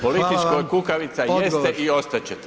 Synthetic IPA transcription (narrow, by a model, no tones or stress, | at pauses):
polit̪it͡ʃkojkukaʋit̪sajest̪eʔio̞st̪at͡ɕet̪e